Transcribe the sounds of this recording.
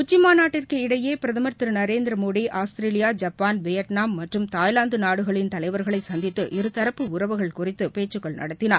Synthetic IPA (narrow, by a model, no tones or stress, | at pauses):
ʊt͡ʃːɪmaːnaːʈːɪrkɯɪɽɐjeːpɪɾɐðɐmɐɾt̪ːɯɾnɐɾeːnd̪ɪɾɐmoːɽiʔaːst̪ɪɾeːlɪjaːd͡ʒɐpːaːnʋɛjɐʈnaːmːɐʈrɯmt̪aːjlaːnd̪ɯnaːɽɯɣɐɭɪnt̪ɐlɐɪʋɐɾɣɐɭɐɪsɐnd̪ɪt̪ːɯʔɪɾɯt̪ɐɾɐpːɯʊɾɐʋɯɣɐɭkʊrɪt̪ːɯpeːt͡ʃːɯkːɐɭnɐ̰ɽɐt̪ːɪnaːɾ